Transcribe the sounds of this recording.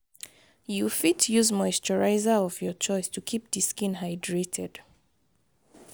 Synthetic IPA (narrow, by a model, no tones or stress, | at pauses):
jufitjuzmɔɪstɔɹaɪzaɔvjɔt͡ʃɔɪstʰukʰip̚diskĩnɦaɪdɹetʰɛd̥